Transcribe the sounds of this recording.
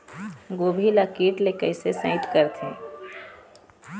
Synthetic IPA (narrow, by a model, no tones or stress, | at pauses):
ɡoːbʱilakiːʈlekəɪsesə̃ɪt̪kəɾt̪ʰĩː